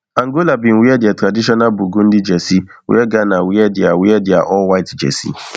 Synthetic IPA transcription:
ãŋɡolabɪ̃n̩wiɛdɪatɾadiʃɔnabuɡun̩dɪd͡ʒɛsiwḭɛɡanawiɛdɪawiɛdɪa̰ʔɔwaitd͡ʒɛ̰sḭ

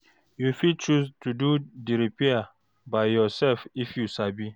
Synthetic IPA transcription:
jufid̚t͡ʃustʰududiɾipia | bajjɔsɛlfifjusabi

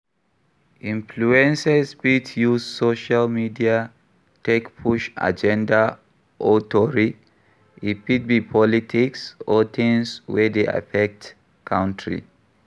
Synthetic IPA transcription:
ʔĩɱfluɛ̃nsɛspitjuzsoʃalmidia | tekpʰuʃa̰d͡ʒɛ̃nda | ʔotɔɹi | it̚pit̚bipʰɔlitʰiksɔt̪ʰĩŋswɛdea̰fɛk̚t | kʰãʊ̃ntʰɹḭ

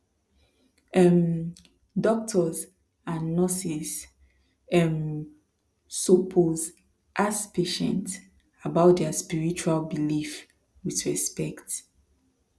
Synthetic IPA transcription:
ɛm | dɔk̚tʰɔz | ãnːɔsis | ɛm | sɔpʰoz | ʔaspʰeʃɛ̃nt | abaʊt̚dɛaspiɹit͡ʃualbilif | wiðɹɛspɛkt

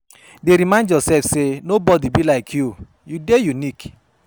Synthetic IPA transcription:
deɾimãɪ̃ndjɔsɛlfsenobɔdibilaɪkʰju | judejunik

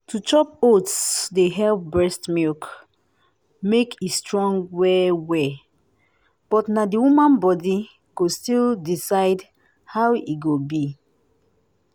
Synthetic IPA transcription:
tʰut͡ʃɔp̚otsdeɦɛlpbɹɛstmilk | mekʰistɹɔ̃ŋɡwɛwɛ | b̥ɔtnadiwumãnbɔdi | ɡ̥ostildisaɪd | hawiɡobi

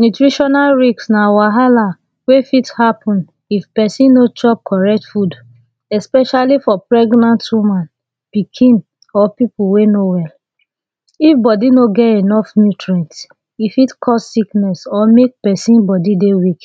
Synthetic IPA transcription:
nutɹiʃɔnalɹiksnawaɦala | wefithapʰɔ̃n | ifpɛsĩnnot͡ʃɔp̚kʰɔɹɛk̚tfud | ɛspɛʃalifɔpɹɛɡnãntwumãn | pikʰĩn | ɔpipuwenowɛl | ifbɔdinoɡɛtenɔfnutɹɛ̃nt | ifitkʰɔssiknɛsɔmek̚pɛsĩnbɔdidewik

